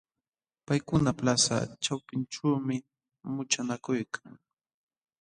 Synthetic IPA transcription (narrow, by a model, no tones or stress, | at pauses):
pajkʊnaplasa̰t͡ʃawpɪnʈ͡ʂawmɪ | mʊt͡ʃanakʊjkʰaŋ